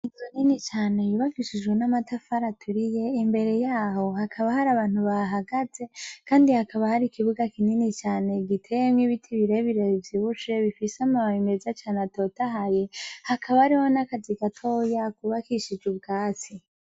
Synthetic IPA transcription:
iɡoninit͡ʃaːne̞juːβakiʃid͡ʒɡenamatʰafaɾatʰuɾije̞imbe̞ɾe̞jaːho̞hakʰaβahaɾaβaːn̥huβaɦaɡaze̞kaːndihakʰaβahaɾikiβuɡakininit͡ʃaːne̞ɡitʰejemŋiβitʰiβiɾeβiɾeβivjiβut͡ʃe̞βifiseamaβaimezat͡ʃaːnato̞taɦaje̞hakʰaβaɾiho̞nakaziɡatʰoːjakuβakiʃid͡ʒɡuβɡaːt͡si

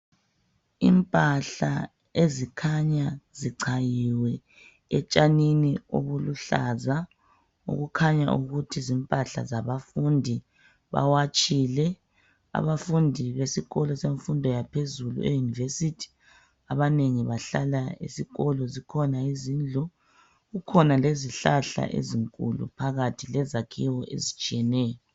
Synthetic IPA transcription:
impʼaɬa̰ | ezikʰaɲaziǀʰajiwɛ | ɛt͡ʃʼaninio̰βuluɬaza | ṵɣukʰaɲa̰ʔuɣutʰizimpʼaɬa̰zaβafundʱi | βa̰wat͡ʃʼilɛ | a̰βafundʱiβesiɣɔlɔseɱfundʱɔjapʰezulṵejunivesitʰi̥ | aβaneŋiβaɬalaḭsiɣɔlɔzikʰɔnaizind͡ɮʱɔ | ɣukʰɔnaleziɬaɬa̰ʔḛziŋkʼṵlṵpʰaɣatʰilɛzakʰiwɔʔḛzit͡ʃʼijɛnɛːjɔ

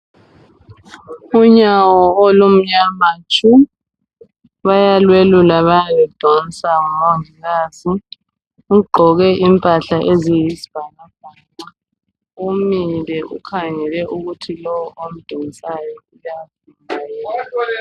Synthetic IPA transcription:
uɲawɔolum̩ɲamat͡ʃʼu | βajalwelulaβajaβɛd̥ʱon̩sʼaumoŋʱiɣaːzi | uɡ͡ǃʱɔɣɛʔimpʼaɬaʔezijizib̥ʱanab̥ʱaːŋ͡ǀa | umilɛʔṵkʰaŋɛlɛʔuɣutʰilɔwɔʔom̩d̥ʱiŋisajɔujafinajɛːa

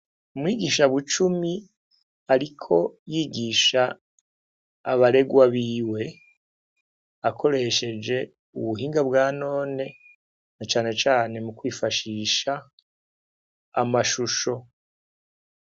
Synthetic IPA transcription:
umwiːɡiːʃaβut͡ʃumi | aɾikʰo̞jiːɡiːʃa | βaɾe̞ɡwaβiːwe̞ | akʰo̞ɾe̞ʃe̞d͡ʒe̞ | uβuɦiːŋɡabɡaːno̞ːne̞ | nat͡ʃaːne̞t͡ʃaːne̞mukwiːfaʃiːʃa | maʃuʃo̞

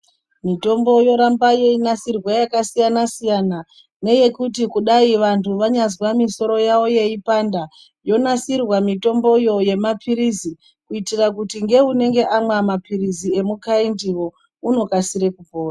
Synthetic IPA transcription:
mito̞mbo̞jo̞ɾambaje̞inasirwajakasijanasijana | ne̞je̞kutikuɗaiʋantuʋaɲazwamiso̞ɾo̞jaʋo̞je̞ipanda | jo̞nasirwamito̞mbo̞jo̞je̞mapʰiɾizi | kuitirakutiŋɡe̞une̞ŋɡe̞ʔamwamapirizie̞mukaindiwo̞ | uno̞kasiɾe̞kub͡voːra

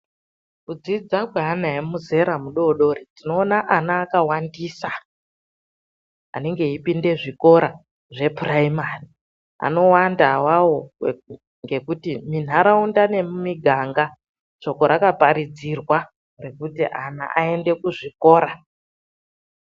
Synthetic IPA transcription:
kud͡zid͡zakweanaemuze̞ɾamuɗo̞ɗo̞ɾitino̞ːnaʔanaːkawandiːsa | a̰ne̞ŋɡe̞ipinde̞ʐiko̞ɾa | ʐe̞puraimari | a̰no̞wandawawo̞ | ŋɡe̞kutimin̤aɾaundane̞mumiɡʱaŋɡa | t͡ʃo̞ko̞ɾakapaɾid͡zirwa | re̞kutiʔa̰na̰ʔae̞nde̞kuʐiko̞ːɾa

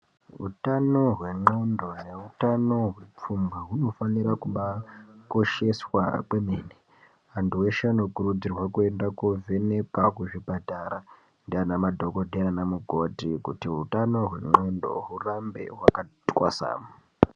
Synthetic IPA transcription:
ɦṵtano̞ɦwe̞ŋ͡ǃo̞ndo̞ne̞utano̞ɦwep͡fumbaɦuno̞faniɾakuɓako̞ʃe̞swa̰kwemeːne | antuweʃeano̞kurud͡zirwakue̞ndakovene̞pakuʐibʱadʱaɾa | ndianamadʱo̞ko̞dʱeanamuɡʱotikutiɦutano̞ɦwe̞̰ŋ͡ǃo̞ndo̞̰ɦurambe̞̰ɦwakatwa̰sa̰ːma

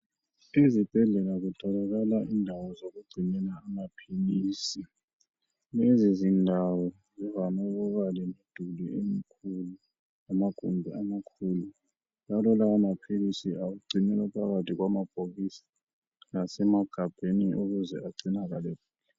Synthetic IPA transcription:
izib̥ʱɛɮɛlaɣutʰɔlaɣalaʔindʱawɔzoɣuɡ͡ǀʱinɛnaːmapʰiliːsi | lezizindʱawɔ | zɛvanɔɣuɣalɛmid̥ʱuliʔem̩kʰulu | amaɡ̥ʱṵmbʱiamakʰulu | lalɔlaːmapʰilisiaɣuɡ͡ǀʱinɛlapʰaɣatʰʼiɣwamab̥ʱoɣisḁ | nasɛmaɡ̥ʱab̥ʱeniʔoɣuzɛ̰aǀinaɣalɛp̚uːla

